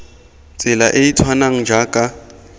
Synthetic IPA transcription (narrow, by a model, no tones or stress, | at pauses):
t͡sʼɪlaʔeitʰwanaŋ̩d͡ʒakʼa